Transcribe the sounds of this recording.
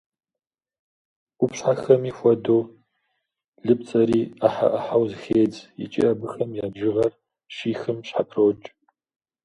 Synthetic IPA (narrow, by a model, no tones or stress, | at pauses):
upɕħaxɐmiːxʷɔdoː | ɮɨp̚t͡sʼɐɾiːaħa̰ʔɐħawzɨxeːd͡zjɪ̰t͡ʃʼḭʔɐbɨxɐmjaːbʒɪʁɐr | ʃiːxɨmɕħapʰroːt͡ʃʼ